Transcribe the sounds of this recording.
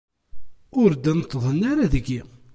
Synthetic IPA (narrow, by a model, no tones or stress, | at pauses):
ʊɾd̪ænt̪ːðˤənːaɾaðəɡːi